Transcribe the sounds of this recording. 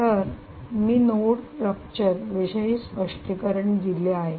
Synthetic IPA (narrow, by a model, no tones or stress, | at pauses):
t̪əɾ | miːnoɽɾəp̚t͡ɕəɾʋiɕəiːspəʂʈikəɾəɳd̪ileaɦe